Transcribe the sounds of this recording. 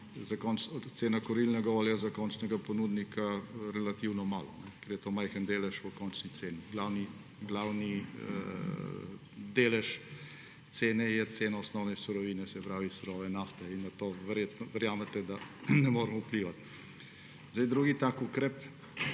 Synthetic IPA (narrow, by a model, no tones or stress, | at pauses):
zakɔnt͡ʃt̪seːnakɔɾilnɛɡaɔːljazakɔnt͡ʃnɛɡapɔnuːd̪nikʰaɾɛlat̪iwnɔma̰ːlɔnɛkɛɾjɛt̪oːmajxənd̪eːlɛʃɔkɔnt͡ʃnit̪seːniɡlaːwni | ɡlawnḭ | d̪eːlɛʃ | t̪seːnɛjɛt̪seːnaɔsnɔwnɛsuɾɔʋiːnɛsɛpɾaːʋisuɾɔːʋɛnaːft̪ɛinːɐt̪oːʋɛɾjet̪nɔʋɛɾjaːmɛt̪ɛd̪anɛmoːɾɛmɔupliːʋat̪ | zd̪ajd̪ɾuːɡit̪aːkukɾɛp